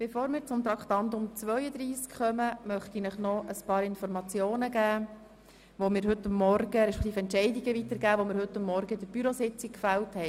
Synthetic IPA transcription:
b̥efoːɾmɪːɾt͡sʊmt̪ɾɑkχt̪ɑnt̪ʊmt͡sʋœʏəd̪ɾiːskχœməmœχt̪inəχnɔʔəspɑːɾɪnfɔɾmɑt͡sjoːnəɡæː | ʋomɪːɾɦɵt̪ːamːɔɾɡəɾɛʃpɛ̥k̚ʰt̪iːfɛntt͡ʃɛɪdiɡəʋit̪əɾɡæːʋomɪːɾɦɵt̪ːʊmːɔɾɡəd̥̪əb̥yɾosɪt͡sikfælthɛɪ

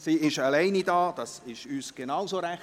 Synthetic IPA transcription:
siːɪʃalɛɪnidaːd̥ɑsɪʃyːsɡ̥enawsoɾæ

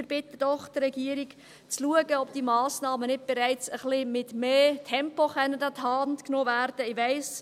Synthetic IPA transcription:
ɪɾb̥ɪt̪əd̥ɔχt̪ɾɛɡiəɾik | t͡sluəɡəɔbd̥iːmɑːsnɑːmənɪt̚b̥ɛɾæɪt͡səχlɪmɪtmeːtʰɛmpoχɛnːədɑt̪hɑntknoːvæɾd̥əɪʋæɪs

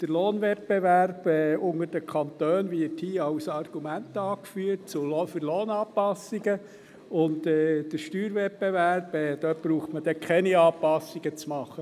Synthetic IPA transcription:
d̥əɾloːnʋɛt̚beʋæɾb̥ɛːʊŋəɾd̥əkʰɑnt̪øːnʋɪɾthiːɑʊsɑrɡ̥umæntɑːkfyːət̚t͡sulfyɾloːnɑːpɑsiɡə | ʊntɛːd̥əɾʃtyːɾʋɛt̚bevæɾb̥ɛːd̥̪œb̥ɾuːχtməd̥ɛkʰɛniɑːpɑsiɡ̥ət͡smɑχːə

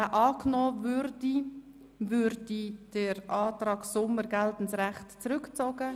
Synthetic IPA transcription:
əʔɑːknɔːvʏɾdi | vʏɾdid̥əɾʔɑːtrɑːɡsʊməɾɡɛltn̩sʁɛχtt͡sɾʏkt͡soːɡə

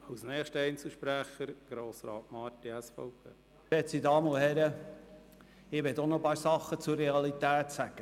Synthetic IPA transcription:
ɑwsnɛːχʃtəɛɪnt͡sl̩ʃpɾæχəɾɡ̥ɾoːsɾɑːtmɑːtiæsfɔwpʰeː | ɛsidɑːməʊhɛɾə | ɪʋɛtonɔpɑːɾsɑχːət͡sʊrrɛɑlit̪æːt̪sæɡ̥ə

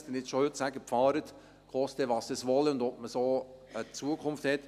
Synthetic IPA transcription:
sd̪ɛnɪsʃohøtsæɡəpfɑːɾət̪ | kχɔstɛʋɑːsd̥̪əsʋɔləʊnd̪ɔp̚məsoː | ət͡suəkʰʊmfthɛt̪

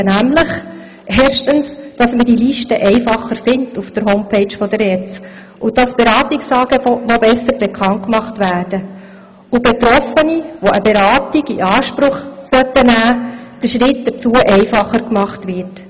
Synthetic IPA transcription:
næmləχ | ʔeːɾʃtənsd̥ɑsməd̥iliʃtəʔɛɪfɑχːəɾfɪntufd̥əɾɦoʊmpʰeɪt͡ʃfɔdəɾɛːt͡s | ʔʊd̥ɑsb̥eɾɑːtiksɑːɡ̥ebɔtnobɛsːəɾbekʰχɑnt̚kmɑχtʋæːrd̥ə | ubet̪ɾɔfəniʋoʔəbeɾɑːtiɡiʔɑːʃpɾʊχsœtːənæːd̥əʃɾɪt̚d̥əɾt͡suəʔɛɪfɑχəɾkmɑχtʋɪrt

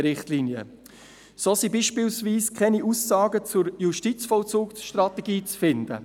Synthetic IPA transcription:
ɾɪχtliːnjə̰ | soːsibiʃpiːlsviːskʰɛniʔusɑːɡət͡sʊɾjuʃtit͡sfɔlt͡suːksʃtrɑt̪ɛɡiːt͡sfɪnd̥̪ə̰

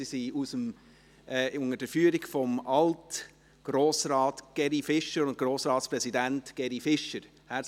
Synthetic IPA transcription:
isiusəm | ɛʊŋəd̥əɾfyːɾiɡfɔmɑlt | ɡ̥roːsɾɑːtɡ̥ɛɾifɪʃəɾʊnt̚ɡ̥roːsɾɑːtsprɛsidæntɡ̥ɛɾifɪʃəɾ | hæː

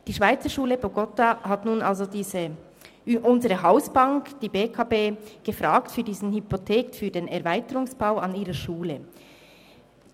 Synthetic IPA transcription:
d̥iːʃv̥aɪt͡səʃuːləboɡɔtaɦatnuːnʔalzodiːzə | ʔʊnzəʁəɦaʊsb̥aŋkd̥iːbeːkʰɑbeːɡ̥əfʁaːktfyːɾdiːzn̩hypotʰeːkfyːɐdeːnɛɐvaɪtəʁʊŋsb̥aʊɑniːʁəʃuːlə

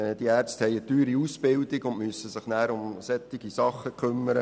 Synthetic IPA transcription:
d̥iæːɾt͡sthɛɪət̪yːɾiusb̥ɪld̪ɪɡʊntmyəsːəsɪχnæːɾʊmsɛt̪ːɪɡisɑχːəkʰɵmːəɾə

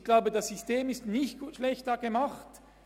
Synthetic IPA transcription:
ɡ̥laʊbədɑsːysteːmɪstnɪçtɡ̥ʃlɛçtɐɡemɑχt

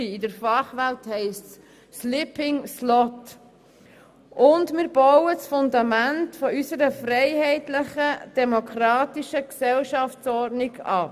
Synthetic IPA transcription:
iɪdəɾfɑχʋælthɛɪsts | slɪpɪŋslɔt | ʔʊndmɪːɾbɔwəsfʊnd̪ɑmæntfɔysəɾəfɾɛɪɦɛɪtlɪχəd̥ɛmokʰɾɑːtiʃəksɛlʃɑftt͡sɔɾdnɪɡɑ̰ː

